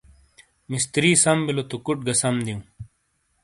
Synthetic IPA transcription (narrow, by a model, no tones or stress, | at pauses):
mist̪ɾiːsɐmbilot̪ukuʈ̚ɡɐsɐmd̪iũ